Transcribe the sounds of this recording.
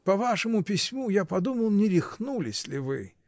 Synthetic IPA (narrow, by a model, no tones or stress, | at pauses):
pɐvaʂɨmʊpʲɪsʲmujapɐd̪uməlˠnʲɪɾʲɪxnulʲɪsʲlʲɪvɨ